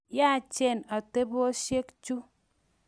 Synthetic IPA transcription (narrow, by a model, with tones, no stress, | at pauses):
ja˦t͡ʃe˦˨na˨te˦bo˦ɔ˦ʃe˦kt͡ʃu˦